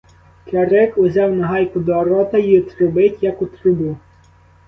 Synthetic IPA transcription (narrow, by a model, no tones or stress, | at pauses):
kʲɐɾɪkʊzʲɑwnɐɦɑjkʊd̪ɔːɾɔt̪ɐjiɔt̪ɾʊbɪtʲjɐkʊt̪ɾʊbu